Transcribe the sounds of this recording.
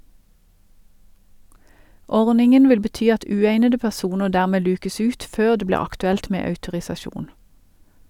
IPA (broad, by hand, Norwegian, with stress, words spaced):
ˈɔʁnɪŋən ˈʋɪl bəˈtyː ˈɑt ˈʉːeɪnədə pæˈsuːnəʁ ˈdæːʁmeː ˈlʉːkəs ˈʉːt ˈføːʁ ˈdeː ˈbliː ɑktʉˈɛlt ˈmeː ɑʉtʊʁɪsɑˈʃuːn